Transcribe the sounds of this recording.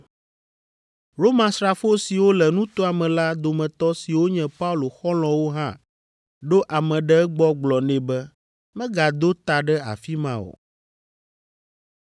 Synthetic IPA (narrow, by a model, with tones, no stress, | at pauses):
ɾo˦mã˨sɾa˨fo˦si˨wo˦lɛ˨nũ˦t̪o˦a˨mɛ̃˨la˦d̪o˨mɛ̃˨t̪ɔ˦si˨wo˦ɲɛ̃˨pa˦u˦lo˨xɔ˦lɔ̃˨wo˦ɦã˦ | ɖo˦ʔa˨mɛ̃˨ɖɛ˦ɛ˦ɡ͡bɔ˦ɡ͡blɔ˨nɛ̃˨bɛ˦ | mɛ̃˦ɡa˨d̪o˦t̪a˨ɖɛ˦a̰˨fi˦mã˦o̰˨